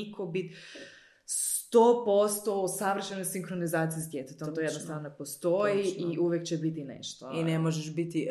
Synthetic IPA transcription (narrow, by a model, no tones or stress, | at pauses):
ikobit̪ | st̪oːpo̞st̪oosaʋr̩ʃenojsiŋxɾonizaːt̪sijezad̪jet̪et̪ot̪ojed̪nosɾanonepost̪ojiiʔuʋjekt͡ɕebit̪inḛʃt̪oinemoʒeʃbit̪i